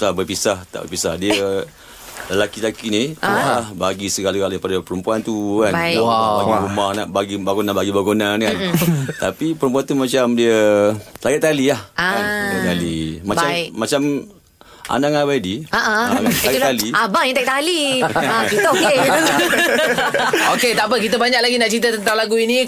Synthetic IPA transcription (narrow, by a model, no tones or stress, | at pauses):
labəpisaht̪a̰ʔbə̰pisahdiə | ləlakit̪akiniɦahbaɡisəɡalakalepadapəɾəmpuant̪ukanabaɡumanabaɡibaɡonanbaɡibaɡonankant̪apipəɾəmp̬uant̪umat͡ʃamdiəsaɡaʔt̪alilahaanɛʔt̪alimat͡ʃamːat͡ʃam | ʔa̰naŋabaidiaʔasaɡt̪aliabaŋat̪ak̚t̪aliakit̪ə | oket̪ap̬əkit̪əbaɲaklaɡinaʔt͡ʃɾit̪̬ət̪ənt̪aŋlaɡuini